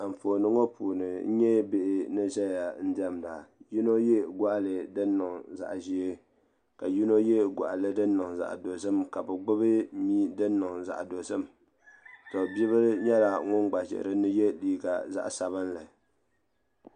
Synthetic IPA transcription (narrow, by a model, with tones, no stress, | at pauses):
ɱ̩˨fo˨nɨ˦ŋo˦pʰuː˨nɨ˨n̩˦ɲɛ˦be˦ʔɪ˨nɨ˦ʒɛ˦ja˨n̩˦dɛ˦mda˨ji˦no˦jɛ˦ɡa˦ʔlɨ˨dɨ˦nːʊ˨ŋza̰˨ʔʒi˦e˦ | ka˨ji˦no˦jɛ˦ɡʷa̰˨ʔa˨lɨ˦dɨ˦nː˦ɨ˨ŋza̰˨ʔdo˨sɨ˦mka˨bɛ˨ɡ͡bʊ˦bɨ˦miː˦dɨ˦nːʊ˨ŋza̰˨ʔdo˨sɨ˦m | tɔ˨bi˦bɨ˦ɾɲɛ˦la˨ŋʊ˦nɡ͡ba˨ʒɛ̰˨ʔɨ̰˨ɾɨ˦nɨ˦je˦liː˨ɡa˨za̰˦ʔsa˨βɨ˦nla˨